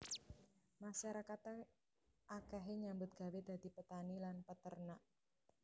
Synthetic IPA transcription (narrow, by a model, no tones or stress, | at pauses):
maʃaɾakat̪ | akaɦeɲambʊt̪̚ɡ̥a̤wed̪̥a̤d̪̥ipət̪anilanpət̪ərnaʔ